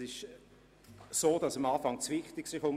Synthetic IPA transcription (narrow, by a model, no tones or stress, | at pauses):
ɪʃ | soːdɑsəmɑːfɑŋt͡svɪχtɪksɪχʊm